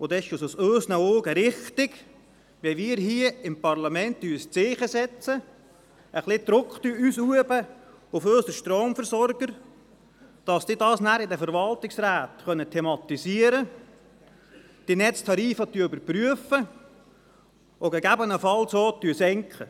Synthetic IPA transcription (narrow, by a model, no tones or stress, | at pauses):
ʊd̪ɛɪʃososøːsnəoːɡəɾɪχtɪɡ | ʋɛʋiːɾɦiəɪmpɑrlɑmɛntːyːst͡sɪːχəsɛt͡sə | əχlɪd̪̥ɾʊkχt̪yyːsuəbə | ʊføːsəʃtroːmfəɾsɔɾɡ̥əɾ | d̥ɑsdɪdɑːsnæːɾɪdəfəɾʋɑlt̪ɪksɾæːt̪χœnət̪ʰɛmɑt̪isiəɾə | d̥inɛt͡st̪ʰɑɾiːfɑt̪yʏbəɾpɾyəfə | ʔoɡɛɡæbənəfɑlsoːt̪yːəsɛŋkχə